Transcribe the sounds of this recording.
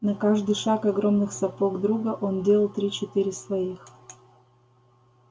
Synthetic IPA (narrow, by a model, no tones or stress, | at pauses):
nɐkaʐd̪ɨjʂakɐɡɾo̞mnɨxsɐpoɡd̪ɾuɡəʔo̞ndʲelˠəlˠt̪ɾʲit͡ɕɪt̪ɨɾʲɪsvɐix